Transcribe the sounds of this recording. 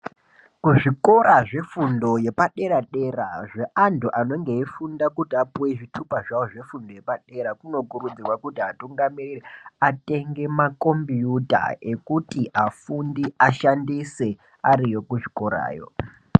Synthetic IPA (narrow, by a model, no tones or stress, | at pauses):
kuʐiko̞ɾaʐe̞fundo̞je̞paɗe̞ɾaɗe̞raʐe̞ʔantuʔano̞ŋɡe̞ifundakutiapuweʐitʰupaʐawoʐe̞fundo̞je̞paɗe̞ɾakuno̞kurud͡zirwakutiatuŋɡamiririate̞ŋɡe̞mako̞mbjuta̰e̞kutiʔafundiaʃandise̞ | aɾijo̞kuʐiko̞ɾa̰ːjo̞̰